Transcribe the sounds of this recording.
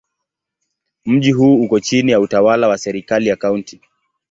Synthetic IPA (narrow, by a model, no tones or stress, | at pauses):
m̩ʄiɦuːukɔt͡ʃinijautawalawasɛɾikalijakaunti